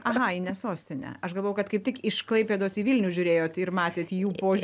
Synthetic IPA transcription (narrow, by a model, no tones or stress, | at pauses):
ɐɦɐinʲɛsoːsʲt̪ʲɪnʲɛ̰ɐʃɡɐlˠoːjɛʊkɐt̪kɐɪp̚t̪ʲɪkɪʃklˠɐɪpʲeːd̪oːsiːʋʲɪlʲnʲuːʒʲʊɾʲeːjoːt̪ɪɾmɑːt̪ʲeːt̪ːjuːpoːʒ